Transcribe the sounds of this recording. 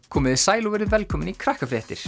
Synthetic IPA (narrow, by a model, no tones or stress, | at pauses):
kʰɔːmɪðɪsaːjlovɛɾɪðvɛlkʰɔːmɪnikʰɾahkafɾɛːht̪ɪɾ̥